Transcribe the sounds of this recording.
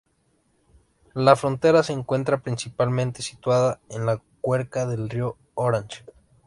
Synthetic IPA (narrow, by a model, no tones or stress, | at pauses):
lafɾo̞nt̪eɾase̞ːŋkwe̞nt̪ɾapɾinsipalmẽnt̪e̞si̥t̪waðaenlakweɾkaðe̞lrio | oɾant͡ʃe̥